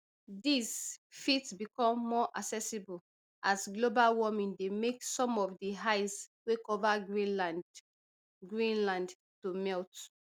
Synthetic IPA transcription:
disfitsbikɔ̃mːɔʔaksɛsibul | ʔasɡlobalwɔmĩndemeksɔ̃mɔfdiɦaɪswekɔvaɡila | ɡɹĩnlãnd | tumɛlt

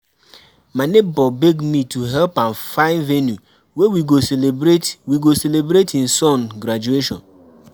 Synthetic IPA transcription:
manebɔbeɡmitʰuɦɛlpãnfãɪ̃nvenju | wewiɡoselebɾetwiɡoselebɾetĩn̩sɔ̃nɡɾad͡ʒueʃɔ̰̃n

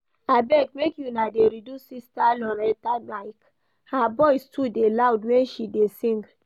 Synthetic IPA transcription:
abɛk̚mekjunadeɾidusistalɔɾɛtamaɪk | habɔɪstʰudelawdwɛ̃nʃidesĩŋɡ

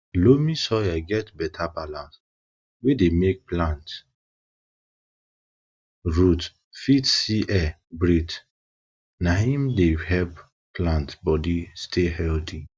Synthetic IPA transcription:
lomisɔaɪɡɛtbɛtʰapalãs | wedemek̚plãnt | ɹut | fitsiʔɛ | bɹit | naɦĩmdehɛlp | plãntbɔdistʰehɛltʰi

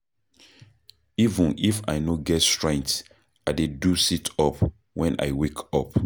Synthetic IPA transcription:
ivə̃nifa̰jnoɡɛtstɹɛ̃ŋk̚t | aɪdedusitʰɔp | wɛ̃nʔa̰jwekʰɔp

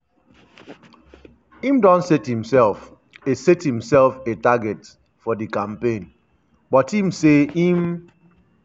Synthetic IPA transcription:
ĩmdɔ̃nsɛthĩmsɛlf | esɛthĩmsɛlfetaɡɛt | fɔdɨkãmpẽn | bɔtĩmseim

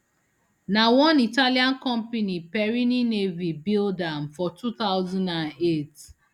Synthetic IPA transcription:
nawɔ̃nitaliãnkɔ̃mpenipɛɹininevibildãmfɔtʰut̪aʊzɔ̃ndãnet

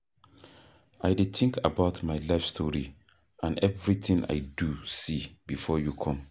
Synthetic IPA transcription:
aɪdet̪ʰɪ̃ŋkʰabaʊtmaɪlaɪfstʰɔɹi | ãnɛvɹit̪ĩnʔa̰ɪdusibifɔjukʰɔ̃m

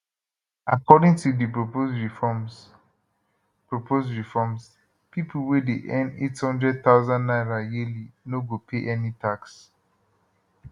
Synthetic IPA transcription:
akɔdĩŋtudipɹoposɹifɔm | pɹopʰosɹifɔms | pʰipʰl̩wɛdeʔɛ̃ndethɔ̃ndɹɛd̚t̪aʊzãnnãɪɹajilinoɡopʰeʔɛnitʰaks

